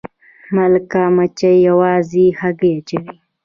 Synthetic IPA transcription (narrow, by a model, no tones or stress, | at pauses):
malkamat͡ʃajawɑːzihaɡejat͡ʃawi